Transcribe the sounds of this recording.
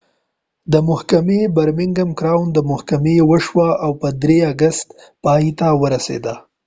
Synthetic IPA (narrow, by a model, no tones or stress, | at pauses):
d̪əmʊhkamebaɾmɪŋɡamkɾɑwnd̪əmʊhkamewəʃwaawpəd̪ɾeaɡast̪ | pɑjit̪awəɾasḛd̪a